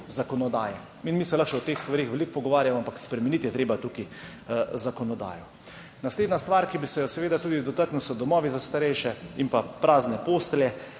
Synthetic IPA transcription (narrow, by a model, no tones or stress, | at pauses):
zakɔnɔd̪a̰ːjɛ | inmisɛlaxʃɛɔt̪eːxst̪ʋaɾeːxʋɛlikpɔɡɔʋaːɾjamɔampakspɾɛmɛnit̪jɛt̪ɾeːbat̪uki | zakɔnɔd̪a̰ːjɔ | nasleːd̪nast̪ʋaːɾkibisɛjɔsɛʋeːd̪at̪uːd̪id̪ɔt̪aɾknuwsɔd̪ɔmɔːʋizast̪aɾɛjʃɛimpapɾaːznɛpost̪ljɛ